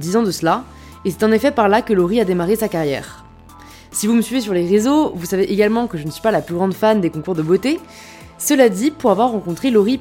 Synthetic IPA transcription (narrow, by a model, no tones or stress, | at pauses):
d̪izɑ̃d̪əsəla | esɛ̥t̪ɑ̃nefɛpaʁlakəlɔʁiad̪emaʁesakaʁjɛ̰ːʁ | sivuməsɥives̬yʁleʁezovusaveʔeɡalmɑ̃kəʒənəsɥ̥i̥palaplyɡʁɑ̃d̪fand̪ekɔ̃kuʁd̪əbot̪e | səlad̪ipuʁavwaʁːɑ̃kɔ̃t̪χelɔʁi